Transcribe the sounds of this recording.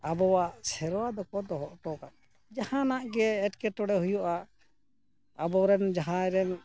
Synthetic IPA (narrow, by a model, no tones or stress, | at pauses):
abɔwaʔsɛɾɔwad̪ɔkɔd̪ɔɦɔʔʈɔkaʔ̪̚ | d͡ʒahãnaʔɡɛːʈkɛʈɔɽɛɦujɔʔa | abɔɾɛnd͡ʒaɦãɾɛn